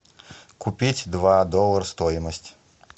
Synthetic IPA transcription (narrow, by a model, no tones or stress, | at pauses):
kʊpʲitʲd̪ʋad̪ɔlˠɐrst̪ɔjimɐsʲtʲ